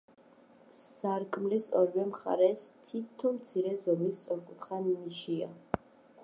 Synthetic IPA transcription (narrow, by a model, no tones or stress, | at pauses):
saɾkʼmlisɔ̰ɾiwɛmχa̰ɾɛst̪ʰit̪ʰɔmt̪sʰiɾɛzɔmist̪sʼɔɾkʼut̪χanniʃia̰